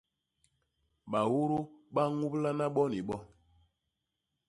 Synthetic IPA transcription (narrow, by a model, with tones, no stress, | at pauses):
ɓa˨wo˦ɾo˦ɓa˦ŋu˦pla˦na˦ɓɔ˦ni˨ɓɔ˦